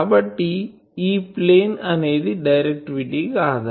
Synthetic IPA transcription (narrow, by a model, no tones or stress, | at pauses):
ɐbɐʈːi | iːpleːnɐneːðɯɖɐɪɾɛk̚ʈʋiʈːikaːðɐ